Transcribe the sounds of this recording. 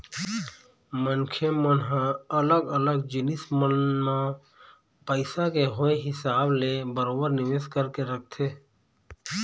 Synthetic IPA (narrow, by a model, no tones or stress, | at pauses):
mənkʰemənɦãələɡələɡd͡ʒɪnɪsmənːa | pəɪsakeɦoeɦɪsaːblebəɾoːbəɾnɪʋeːskəɾkeɾək̚ʰt̪ʰeː